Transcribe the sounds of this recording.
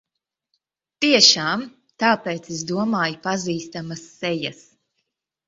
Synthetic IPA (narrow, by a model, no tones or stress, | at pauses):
t̪iɛʃaːm | t̪aːpeːt̪sɛs̬d̪uɔmaːjpaziːst̪amɐsːɛjɐs